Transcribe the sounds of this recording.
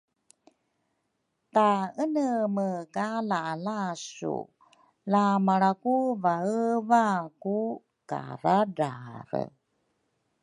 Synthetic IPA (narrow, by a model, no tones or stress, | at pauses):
t̪aənəməkalaʔːlasṵ | lamaɺakuvaəvaku | ka̰ɾadaɾə̰